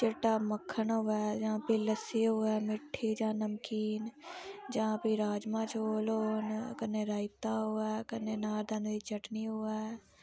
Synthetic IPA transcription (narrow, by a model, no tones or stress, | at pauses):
t͡ʃɪʈaməkʰːənɦoːɛd͡ʒɐɦãpiləsiɦoɛmɪʈʰːid͡ʒãnəmkiːnd͡ʒɐɦãpiɾaːd͡ʒmãt͡ʃʰoːloːnkənːeɾaːɪt̪aɦoɛkənːenaːɾd̪ə̃nit͡ʃəʈniɦoɛː